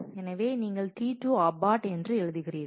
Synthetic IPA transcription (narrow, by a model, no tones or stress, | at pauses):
ɛnɐʋeːniːŋɡɐɭt̪iːʈːuːɐbaːʈɛndrɯɛɻɯðɯɣɪrijɐðɯ